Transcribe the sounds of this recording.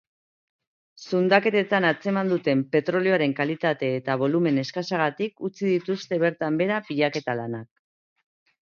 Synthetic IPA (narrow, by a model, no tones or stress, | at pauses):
sund̪ake̞t̪e̞t̪anat͡se̞mand̪ut̪e̞mpe̞t̪ɾo̞lioaɾe̞ŋkalit̪at̪e̞ːt̪aβ̞o̞lume̞ne̞skasaɣ̞at̪ikut͡siðit̪ust̪e̞β̞e̞ɾt̪ambe̞ɾapiʎake̞t̪alanak̚